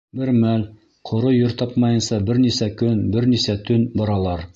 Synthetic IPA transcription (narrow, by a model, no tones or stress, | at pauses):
bɘɾmæl | qʰŏɾojɵɾt̪ɑpmɑjɤ̆nsɑbɘɾnisækɵnbɘɾnisæt̪ʰɵnbɑɾɑlˠɑɾ